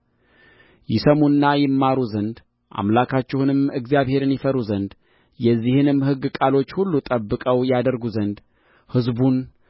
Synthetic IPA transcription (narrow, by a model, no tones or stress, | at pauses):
jɪsəmunːajɪmːaɾuzənd̪ | ʔa̰mlakʰat͡ʃːɪhunɨmɨɡzjaβhe̞ɾɨnjɪfəɾuzənd̪ | jɛzːihɨnɨmhɨɡːɨkʼalo̞t͡ʃːhulːut̪ʼəbːɨkʼəwjad̪əɾɡuzənd̪ | hɨzbun